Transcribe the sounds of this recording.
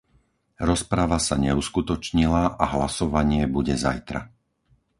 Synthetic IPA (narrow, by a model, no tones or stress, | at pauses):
ɾɔspɾaʋasaɲɛuskut̪ɔt͡ʃɲilaʔaɦlasɔʋaɲɪɛbuɟɛza̰jt̪ɾa̰